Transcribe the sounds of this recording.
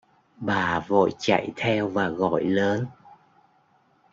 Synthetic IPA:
ɓaː˨˩vo̰˧˨jt͡ɕa̰˧˨jt̪ʰɛ˧wvaː˨˩ɣɔ̰˧˨jləː˨˦n

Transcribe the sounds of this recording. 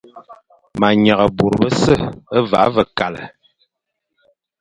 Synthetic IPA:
ma˨ɲa˨ɣə˨bo˨ɾbə˦sə˦˨ə˦va̰˨˦və˨ka˨lə̰˨

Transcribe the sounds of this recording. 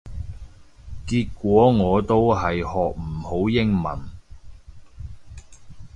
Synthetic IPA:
kiː˧t̚kʷɔː˨˥ŋɔː˨˧t̪o˥wɦɐ˨jhɔː˨k̚m̩˨˩ho˨˥wjɪ˥ŋmɐ̰˨˩n

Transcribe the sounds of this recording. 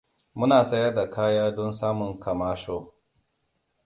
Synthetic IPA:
mʊ˦naː˨sɐ˦jɐ˦rda˨kʰaː˦jaː˦dɔ˦nsaː˦mʊ˨ŋka˨maː˦ʃoː˦

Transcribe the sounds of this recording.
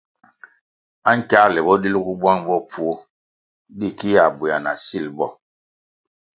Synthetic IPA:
a˦ŋ̩˦ka˦lɛ˨bɔ˦di˦lu˦ku˦bwa˦ŋbɔ˦p͡fu˦o˦ | di˦˨ki˦ja˨bu˨ja˨na̰˨si˦˨lbɔ˦˨

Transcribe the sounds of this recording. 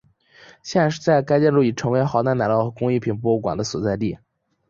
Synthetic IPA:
ɕjɛ˥˧nʂ̬ɻ̩˥˧t͡sa˥˩ɪka˥ɪt͡ɕjɛ˥˧lu˥˩i˨˩ʈ͡ʂʰɤ˧˥ŋwe˧˥ɪxɑ˧˥ʊt̪a˥˩na˨˩˦lɑ˥˩ʊxɤ˧˥kʊ˥ŋi˥˩pʰi˨˩npɔ˥˧u˥˩kwa̰˨˩nd̪ə˦swɔ˨˩t͡sa˥˧ɪt̪i˥˩

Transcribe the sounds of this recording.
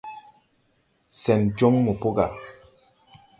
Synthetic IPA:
sɛ˨nt͡ʃo˦ŋmo˨po˦ɡa̰˨

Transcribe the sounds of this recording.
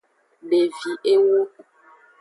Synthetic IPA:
ɖe˨vi˨ʔe˦wo˦

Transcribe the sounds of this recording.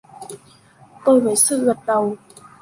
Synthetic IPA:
t̪o˧jvəː˨˩jsɨ̰˧˥ɣə˨˩t̚ɗə˨˩w

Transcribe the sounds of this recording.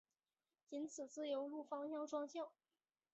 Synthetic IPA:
i˧˥nt͡sʰɹ̩˨˩t͡sɹ̩˥˩jo˧˥ʊlu˥˩fɑ˥ŋjɑ˥˩ŋʈ͡ʂwɑ˥ŋɕjɑ˥˩ʊ

